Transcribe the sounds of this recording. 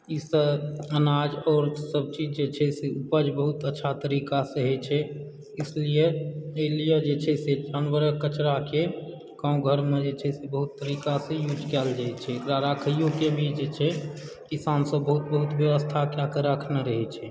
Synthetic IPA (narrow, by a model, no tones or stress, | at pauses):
isəənad͡ʒɔːɾsəb̚t͡ʃid͡ʒd͡ʒet͡ʃʰɛseupəd͡ʒbəɦut̪ətːʃʰat̪əɾikasəɦɛt͡ʃʰɛ | ɪslieelijed͡ʒet͡ʃʰɛsed͡ʒanʋəɾəkət͡ʃɾake | kãũɡʱəɾmed͡ʒet͡ʃʰɛsebəɦut̪ːəɾikasẽjud͡ʒkɛld͡ʒaɛt͡ʃʰɛkɾaɾakʰjõkebʱit͡ʃd͡ʒet͡ʃʰɛ | kisansə̃bəɦut̪̚bəɦut̪bjəʋəst̪ʰakjakeɾəkʰneɾəɦɛt͡ʃʰɛ